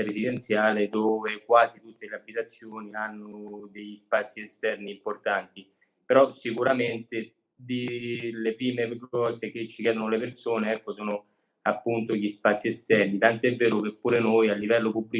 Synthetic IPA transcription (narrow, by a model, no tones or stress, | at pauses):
aɾezid̪ent̪sjaːled̪oːvekwaːzit̪ut̪ːeleabːit̪at̪sːjoːnianːod̪eʎːispat̪sːiest̪ɛrniːmport̪ant̪i | peɾɔsikuɾament̪e | d̪ilepɾiːmekɔːzek̟et͡ʃːikjɛːd̪onolepersoːneɛkːosoːno | apːunt̪oʎispat̪sːiɛst̪ɛrnit̪ant̪oɛvːeːɾʊkepːuːɾenojalːivɛlːopubːli